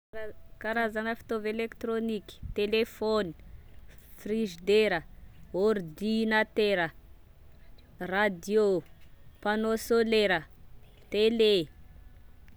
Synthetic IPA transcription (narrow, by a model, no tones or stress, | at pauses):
kaɾazanəfi̥t̪ovelekt̪ɾoniki̥t̪elefoni̥ | friʒid̪eɾəord̪inat̪eɾə | rad̪io | panosoleɾə | t̪ele